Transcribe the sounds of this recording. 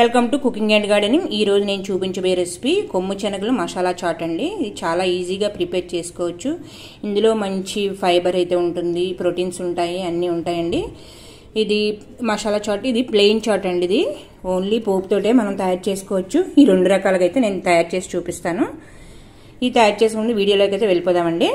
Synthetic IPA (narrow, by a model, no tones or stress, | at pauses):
ʋelkɐmʈukukiŋɡeɳɖɡaːɖɐnimiːɾo̞ːd͡ʒune̞ːnut͡ʃuːpiɲt͡ʃɐbɐjɐɾespikomːut͡ʃɐnɐkulumɐʃaːlaːt͡ʃaːʈɐɳɖiːd̪it͡ʃaːlaːiːd͡ʒiːɡaːpɾipeːɾt͡ʃe̞ːsu̥kɔːʋɐt͡ʃːu | ind̪ulo̞ːmɐɲt͡ʃipʰɐjbɐɾɐjt̪e̞ːuɳʈund̪ipɾo̞ʈiːnsuɳʈaːjiɐnːiːuɳʈaːjɐɳɖiː | d̪i | mɐʂaːlaːt͡ʃaːʈid̪ipleːjiŋt͡ʃaːɾʈɐɳɖid̪i | o̞ːnliːpoːput̪o̞ːʈe̞ːmɐnɐmt̪ɐjaːɾt͡ʃe̞ːsu̥kɔːʋɐt͡ʃːuiːɾe̞ɳɖuɾɐkaːlɐkɐjt̪e̞ːneːnut̪ɐjaːɾt͡ʃe̞ːsi̥t͡ʃuːpist̪aːnu | id̪it̪ɐjaːɾt͡ʃe̞ːs̬kuɳɖiʋiːɽijoːloːkɐjt̪eʋelipɔːd̪aːmɐɳɖi